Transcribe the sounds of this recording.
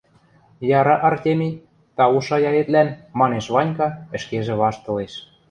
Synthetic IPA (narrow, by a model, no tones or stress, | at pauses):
jɑɾɑʔɑrtʲemʲi | t̪ɑuʃɑjɑjet̪lænmɑneʃβɑnʲkɑɘ̆ʃkeʒĕβɑʃt̪ɤ̆leʃ